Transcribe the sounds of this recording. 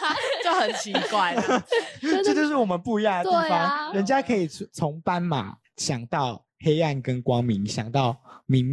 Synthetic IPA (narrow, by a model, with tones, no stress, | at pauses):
t͡ɕjo˥˨˩hə˨˩nt͡ɕʰi˨˧˦kwa˥˩ɪ | jt͡ɕ̩˥˧ʂ̬̩˥˩wɔ˨mə˨˦npu˥˧i˧ja˥˩d̪ə˩t̪i˥˨fɑ˦ŋɻə˧˦nt͡ɕja˦kʰɤ˧˦˥i˨˩t͡sʰo˧˦ŋpa˦nma̰˨˩˦ | ɕjɑ˨˩ŋt̪ɑ˥˨ʊ | he˥ɪa˥˨nkə˦nkwɑ˦ŋmi˨˦ŋɕjɑ˨˩ŋt̪ɑ˥˨ʊmi˨˦ŋ